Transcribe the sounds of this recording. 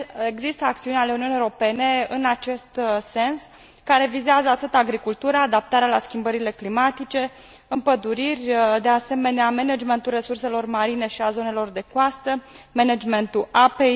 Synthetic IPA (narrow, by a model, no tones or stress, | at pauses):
eɡzist̪əak̚t̪siunʲaleuniunijoɾo̞pe̞ne̞ɨnat͡ʃe̞st̪se̞ns | kaɾe̞vizeazəat̪ɨt̪aɡɾikult̪uɾaːd̪ap̚t̪aɾealaskʲimbəɾile̞klimat̪it͡ʃe̞ | ɨmpəd̪uɾirʲd̪e̞ase̞me̞neame̞ned͡ʒme̞nt̪ulre̞surse̞lo̞rmaɾine̞ʃiazo̞ne̞lo̞rd̪e̞koast̪əmened͡ʒme̞nt̪uape̞j